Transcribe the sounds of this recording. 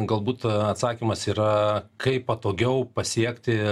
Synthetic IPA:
ɡɐlˠbuːt̪ɐt̪sɑːkʲimɐsiːɾɐkʰɐɪppɐt̪oːɡʲɛʊpɐsʲiɛkt̪ʲɪ

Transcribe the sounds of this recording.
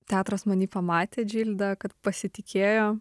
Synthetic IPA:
t̪ʲæːt̪ɾɐsmɐnʲiːpɐmɑːt̪ʲeːd͡ʒʲiːlʲd̪ɐkɐt̪pɐsʲɪt̪ʲɪkʲeːjoː

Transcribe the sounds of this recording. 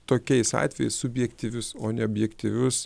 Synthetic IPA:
t̪oːkʲɛɪsɑ̰ːt̪ʲʋʲɛjɛɪssʊbʲjɛkt̪ʲiʋʲʊsoːnʲɛoːbʲjɛkt̪ʲiʋʲʊs

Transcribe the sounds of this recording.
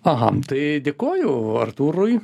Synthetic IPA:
ɐɦɐ̰t̪ɐɪd̪ʲeːkoːjʊːɐ̰rt̪uːɾʊj

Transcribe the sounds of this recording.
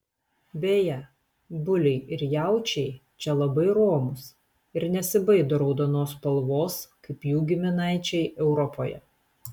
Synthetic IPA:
bʲeːjɛ | bʊlʲɛɪɪɾjæˑʊt͡ʃʲɛɪ | t͡ʃʲɛlˠɐbɐɪɾoːmʊs | ɪɾnʲɛsʲɪbɐɪd̪oːɾɐʊd̪onoːspɐlˠʋoːskɐɪpjuːɡʲɪmʲɪnɑˑɪt͡ʃʲɛɪʔɛʊɾɔpoːjɛ̰

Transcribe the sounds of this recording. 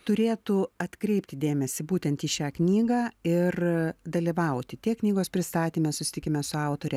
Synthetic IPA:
t̪ʊɾʲeːt̪uɐt̪kɾʲɛɪpʲt̪ʲɪd̪ʲeːmʲɛsʲɪbuːt̪ʲɛnt̪iːʃʲæːknʲiːɡɑːɪrd̪ɐlʲɪʋɐʊt̪ʲɪt̪ʲiɛknʲiːɡoːspʲɾʲɪst̪ɑːt̪ʲiːmʲɛsʊsʲɪ̥t̪ʲɪkʲɪmʲɛsʊɐʊt̪oːɾʲɛ

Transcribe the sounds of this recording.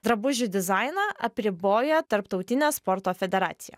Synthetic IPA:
d̪ɾɐbʊʒʲʊd̪ʲɪzɑɪnɑʔɐpʲɾʲɪboːjɛt̪ɐɾpt̪ɒʊt̪ʲɪnʲespɔɾt̪oːfʲɛd̪ʲɛɾɑ̰ːt̪sʲɪjɛ̰ː

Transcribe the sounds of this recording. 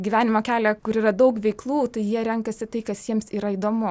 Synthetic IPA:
ɡʲiʋʲæːnʲɪmoːkʲæːlʲɛkʊɾiːrɾɐd̪ɐʊkʋʲɛɪklˠuːt̪ɐɪjiɛɾʲɛŋkɐsʲɪt̪ɐɪkɐsjiɛmsiːɾɐiːd̪oːmʊ

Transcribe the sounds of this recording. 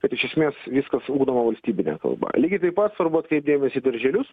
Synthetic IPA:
kɐt̪ɪʃʲɛsʲmʲeːsʋʲiskɐsuːɡd̪oːmɐʋɐlʲsʲt̪ʲiːbʲɪnʲɛ̰kɐ̰lˠbɐ̰lʲiːɡʲɪt̪ɐɪpɐt̪sʋɐɾbuɐt̪kɾʲɛɪp̚d̪ʲeːmʲɛsʲiːd̪ɐɾʲʒʲɛlʲʊs

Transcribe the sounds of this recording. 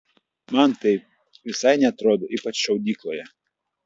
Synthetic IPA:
mɐnt̪ɐɪp̚ | ʋʲɪsɐɪnʲɛɐt̪ɾoːd̪oʔiːpɐt͡ʃʃɐʊd̪ʲiːklˠojɛ

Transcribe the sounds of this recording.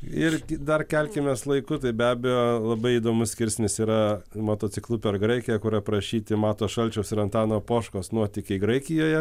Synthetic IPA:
ɪrʲd̪ɐrkʲɛlʲkʲɪmʲeːslˠɐɪkʊt̪ɐɪbʲæːbʲɛjoːlˠɐbɐɪid̪oːmʊssʲkʲɪɾʲsʲnʲɪsiːɾɐmoːt̪oːt͡s̪ʲɪklˠuːpʲɛrɡɾɐɪkʲɪjɛkʊɾɐpɾɐʃʲiːt̪ʲɪmɑːt̪oːʃɐlʲt͡ʃʲɛʊsɪɾɐnt̪ɑːnoːpoːʃkoːsnuɔt̪ʲɪkʲɛɪɡɾɐɪkʲɪjoːjɛ

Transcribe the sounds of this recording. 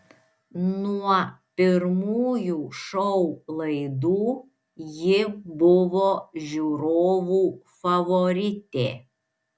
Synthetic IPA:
nuɔpʲɪɾmuːjuːʃɔʊlˠɐɪd̪uː | jɪbʊʋoːʒʲuːɾoːʋuːfɐʋɔɾʲɪt̪ʲeː

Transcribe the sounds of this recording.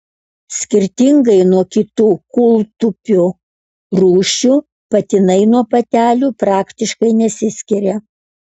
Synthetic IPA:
sʲkʲɪɾʲt̪ʲɪŋɡɐɪnuɔkʲɪt̪uːkʊlˠt̪ʊpʲu | ɾuːʃʲu | pɐt̪ʲɪnɐɪnuɔpɐt̪ʲæːlʲuːpɾɑːkt̪ʲɪʃkɐɪnʲɛsʲɪsʲkʲɪɾʲɛ

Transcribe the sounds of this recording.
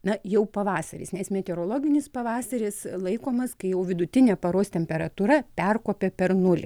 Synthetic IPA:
nɐjɛʊpɐʋɑːsɐɾʲɪ̰snʲɛsmʲɛt̪ʲɛɾoːlˠoːɡʲɪnʲɪspɐʋɑːsɐɾʲɪslˠɐɪkoːmɐskɐɪjɛʊʋʲɪd̪ʊt̪ʲɪnʲeːpɐɾoːst̪ʲɛmʲpʲɛɾɐt̪uːɾɐpʲɛrkoːpʲepʲɛɾnʊlʲɪ̰

